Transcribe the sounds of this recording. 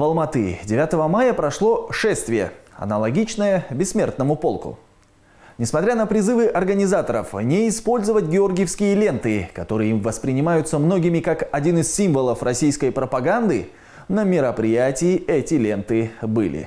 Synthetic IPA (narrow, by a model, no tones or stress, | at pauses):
vəlˠmɐt̪ɨ̰dʲɪvʲat̪əvəmajəpɾɐʂlˠo̞ʂɛst̪vʲɪjə̰ɐ̰nəlˠɐɡʲit͡ɕnəjəbʲɪsːmʲe̞rt̪nəmʊpo̞lˠkʊ̰ | nʲɪsmɐt̪ɾʲanəpɾʲɪzɨvɨʔɐrɡənʲɪzat̪əɾəfnʲɪɪspo̞lʲzəvətʲɡʲɪo̞rɡʲɪjəfskʲɪjəlʲe̞nt̪ɨkɐt̪o̞ɾɨjɪvəspɾʲɪnʲɪmajʊt̪səmno̞ɡʲɪmʲɪkakɐdʲinɨsʲsʲimvəlˠəfrʔɐsʲijskəjpɾəpɐɡand̪ɨ | nəmʲɪɾəpɾʲɪjætʲɪjɪɛtʲɪlʲe̞nt̪ɨbɨlʲɪ̰